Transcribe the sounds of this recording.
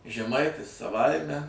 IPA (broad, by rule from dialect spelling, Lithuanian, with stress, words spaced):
ʒʲɛˈmɐɪtʲɪs sɐˈʋɐɪmʲɛ